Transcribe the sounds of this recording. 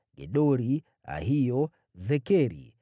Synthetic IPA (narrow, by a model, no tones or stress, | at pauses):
ɡɛ̰ɗɔɾi | a̰ɦijɔ | zɛkɛɾḭ